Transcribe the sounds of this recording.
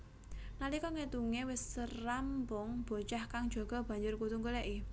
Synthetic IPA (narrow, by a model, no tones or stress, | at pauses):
nalikɔŋet̪uŋewɪsːərambɔŋb̥o̤t͡ʃahkaŋd̥d͡ʒ̥o̤ɡ̥ɔ̤b̥ä̤ɲd͡ʒʊrkut̪uŋɡuleʔi